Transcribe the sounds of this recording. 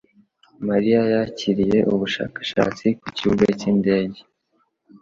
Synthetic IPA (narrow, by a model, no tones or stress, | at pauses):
maɾijajaciɾije̞ʔuβuʃa̰ːkḁʃa̰ːt͡sikuciuɡacinde̞ːɟe